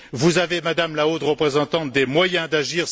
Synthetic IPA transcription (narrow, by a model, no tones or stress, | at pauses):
vuzavemad̪amlaot̪ʁəpχezɑ̃t̪ɑ̃t̪̚d̪emwajɛ̃d̪aʒiʁ